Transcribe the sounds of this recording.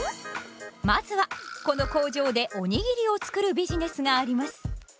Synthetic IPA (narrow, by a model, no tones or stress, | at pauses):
mazɨβako̞no̞ko̞ːʑo̞ːd̪e̞ʔo̞ɲ̟iɡʲiɾʲio̞t͡sɨ̥kɯ̟ɾɯ̟bʲiʑine̞sɨŋaːɾʲimasɨ̥